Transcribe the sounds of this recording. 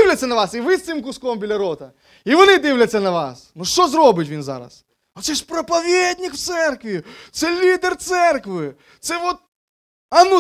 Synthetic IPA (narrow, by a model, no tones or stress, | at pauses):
wlʲɐt͡sʲːɐnɐʋɑsiʋɪst̪ɪmk̬ʊskɔmbʲilʲɐɾɔt̪ɐ | iʋɔnɪd̪ɪwlʲɐt͡sʲːɐnɐʋa̰snuʃt͡ʃɔzɾɔbɪtʲʋʲinzɑ̰ɾɐ̰s | ɔt̪sɛʃpɾɐpɐʋʲed̪ʲnʲikwt̪sɛrkʋʲit̪sɛlʲid̪ɛrt̪sɛrkʋɪ | t̪sɛʋɔt̪̚ | ɐnu